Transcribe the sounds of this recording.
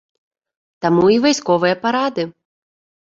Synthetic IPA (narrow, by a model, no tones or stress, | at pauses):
t̪amuivajskɔvɨjɐpaɾad̪ɨ